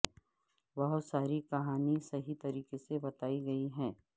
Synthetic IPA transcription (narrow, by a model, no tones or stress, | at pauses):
bɐɦʊt̪saːɾikɐɦaːnisɐɦit̪ɐɾiːkesebɐt̪aːiɡɐiɦɛ̃ː